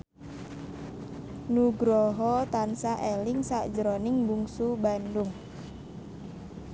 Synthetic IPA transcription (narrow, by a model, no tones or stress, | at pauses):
nuɡɾɔɦɔt̪ansaʔelɪŋsaʔd͡ʒəɾonɪŋbuŋsubandʊŋ